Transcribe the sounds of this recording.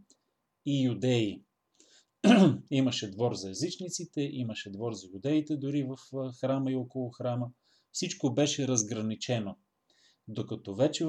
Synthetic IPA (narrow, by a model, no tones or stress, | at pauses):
ijud̪ɛi | iməʃɛd̪vɔɾzɐjɛzit͡ʃnit̪sit̪ɛʔiməʃɛd̪vɔɾzɐjud̪ɛit̪ɛd̪ʊɾivəfxɾaməiɔkolˠʊxɾamə | fsit͡ʃkobɛʃɛɾəzɡɾɐnit͡ʃɛno | d̪okɐt̪ɔvɛt͡ʃɛ